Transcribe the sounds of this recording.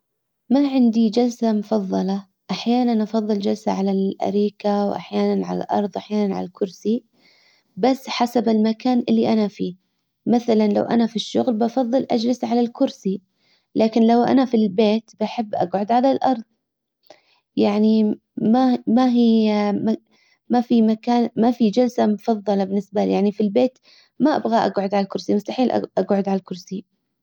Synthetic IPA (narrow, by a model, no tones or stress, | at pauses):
maʕɪnd̪id͡ʒalsamʊfɑðˤːɑlɑ | ʔaħjaːnanʔɑfɑðˤːɨld͡ʒalsa̰ʕalalʔa̰ɾiːkawʔa̰ħjaːnanʕa̰la̰lʔɑ̰ɾˤðˤʔaħjaːnanʕa̰lalkʊɾsi | basːħasabɪlmakaːnʔɪlːiʔanafiː | maθalanla̰wʔa̰nafiʃːʊɣlbɑfɑðˤːɨlʔad͡ʒlɪsʕalalkʊɾsi | lʔaːkɪnlawʔa̰nafilbeːt̪baħɪbːʔa̰ɡʕʊd̪ʕalalʔɑɾˤðˤ | jaʕni | mamaɦima | mafimakaːnmafid͡ʒalsamʊfɑðˤːɑlɑbɪnːɪsbajaʕnifilbeːt̪ | maʔa̰bɣaʔaɡʕʊd̪ʕalalkʊɾsimʊst̪aħiːlʔʔaɡʕʊd̪ʕalalkʊɾsi